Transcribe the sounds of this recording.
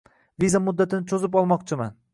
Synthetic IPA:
vizamʊd̪ːat̪ʰɪnɪt͡ʃʰozɪpɒlˠmɒqt͡ʃʰɪman

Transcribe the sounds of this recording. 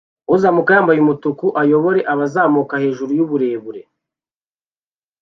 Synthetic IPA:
uzamukajaːmbajumutukuʔajo̞βo̞ɾe̞ʔaβazaːmukahe̞ːʒuɾujuβuɾe̞ːβuɾe̞

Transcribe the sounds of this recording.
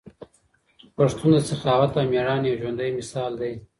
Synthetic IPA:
paʂt̪und̪əsaxɑːwat̪ameɽɑːnjawʒwand̪ajmɪsɑːld̪aj

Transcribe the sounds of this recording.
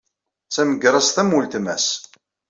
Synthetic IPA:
t͡sæməɡɾˤɑsθæmult̪mæs

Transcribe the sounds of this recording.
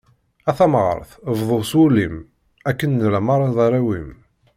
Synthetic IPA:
æθæmʁə̰ɾˤθvðˤoswulim | ækːənːlæmɑɾˤɑðˤɑɾæwim

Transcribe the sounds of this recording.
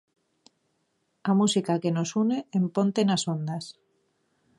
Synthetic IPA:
amusikake̞nosune̞empo̞nt̪enaso̞nd̪as

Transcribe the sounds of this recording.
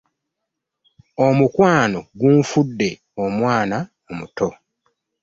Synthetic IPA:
o̞mukwaːnoɡuɱfudːe̞ | omwaːna | omuto̞

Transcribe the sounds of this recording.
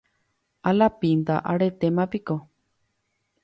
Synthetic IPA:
alapind̪a̰ʔaɾet̪emãpiko

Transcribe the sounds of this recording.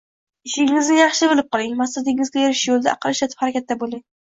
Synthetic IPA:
ɪʃɪŋɪznɪjɑχʃɪbɪlˠɪp̚qɒlˠɪŋmasad̪ɪŋɪzɡʲajeɾɪʃjolˠd̪a̰ʔɑqʰɨlˠɪʃlat̪ʰɪ̥phaɾakʲat̪̚ːabolɪŋ

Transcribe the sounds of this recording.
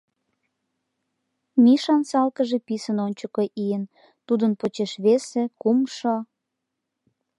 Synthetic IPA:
miʃɑnsɑlkəʒepisənonʲt͡ɕəkoʔijən | t̪ud̪ənpot͡ɕeʃβesekumʃo

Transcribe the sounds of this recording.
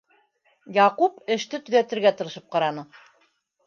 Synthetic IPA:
jɑqupɘ̆ʃt̪ɘt̪ɵ̆ðæt̪ɘ̆ɾɡæt̪ɤ̆ɾɤ̆ʃɤp̚qɑɾɑnɤ

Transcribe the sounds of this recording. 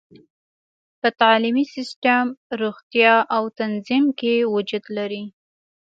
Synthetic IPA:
pət̪ɑlimisɪsʈamɾuɣt̪jɑʔawt̪anzimkewʊd͡ʒud̪laɾi

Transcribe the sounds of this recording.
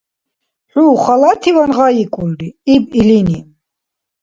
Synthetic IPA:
ħuːχalat̪ʰivanʁajikʼuld̪iibilini

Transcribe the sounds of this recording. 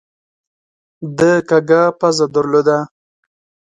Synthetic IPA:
d̪əkaɡapazad̪əɾlod̪a

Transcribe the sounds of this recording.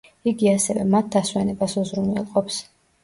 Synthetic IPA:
iɡiasɛvɛmat̪̚d̪aswɛnɛbasuzɾunɛ̰lˠqʼɔps

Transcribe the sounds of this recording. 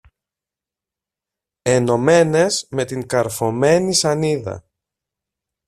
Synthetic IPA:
e̞no̞me̞ne̞zme̞t̪iŋkɐɾfo̞me̞nisɐniðɐ̰

